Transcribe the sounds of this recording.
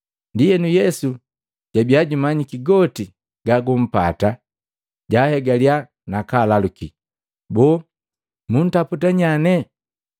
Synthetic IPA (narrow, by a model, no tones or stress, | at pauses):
ndijɛnujɛsu | ɟ̥abiaɟumaɲikiɡɔti | ɡ̥aɡum̩pa̰ta | ɟahɛɡalia | nakalaluki | bɔː | mun̩taputaɲanɛ